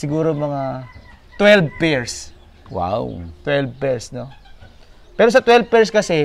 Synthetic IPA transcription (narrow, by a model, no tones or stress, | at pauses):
sɪɡuːɾomɐŋat̪wɛlbpɛɹs | wa̰wt̪wɛlb̚pɛɹsno | pɛːɾosɐt̪wɛlb̚pɛɹskɐsɛ